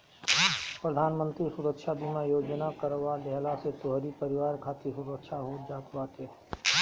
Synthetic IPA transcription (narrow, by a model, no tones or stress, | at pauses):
pɾəd̪ʱaːnmə̃nt̪ɾisuɾəkʃab̪ʱimajoːd͡ʒnakəɾʋalɛɦlaset̪oɦɾipəɾɪʋaːɾkʰaːt̪esuɾəkʃʰaɦoːd͡ʒaːt̪baːt̪eɦɛ